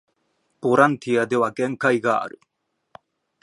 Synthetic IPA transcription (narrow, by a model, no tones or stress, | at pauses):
poɾant̪ʰiad̪ewakeŋkajɣa̰ːɾ